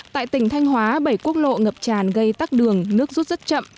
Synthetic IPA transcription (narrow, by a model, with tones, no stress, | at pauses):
t̪a̰ː˧˨jt̪ï˧˩ŋ̟t̪ʰa˧jŋ̟ɦwaː˨˦ɓə˧˩jku˦˥ək̚lo̰˧˨ŋə˨˩p̚t͡ɕaː˧˨˩nɣə˧jt̪aː˦˥k̚ɗɨ˨˩əŋnɨ˦˥ək̚zu˦˥t̚zə˦˥t̚t͡ɕə̰˧˨m